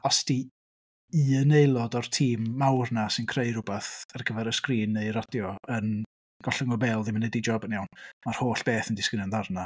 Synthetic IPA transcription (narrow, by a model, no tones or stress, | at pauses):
asd̥i | iənejlˠɔdɔrtʰiːmːawrnasɪnkʰrejr̥ʊbaθarɡəvɛɾəskriːneɨrɔdjɔən | ɡ̥ɔɬəŋɔbɛːlˠðɪmanɛdid͡ʒɔbənjawnmar̥hoːɬb̥eːθəndɪskɾɪnɔnðarna